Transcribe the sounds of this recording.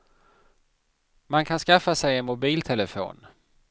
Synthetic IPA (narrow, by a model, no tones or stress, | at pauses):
mankʰanskafasɛjɛnmʊbiːlt̪ʰɛləfo̰ːn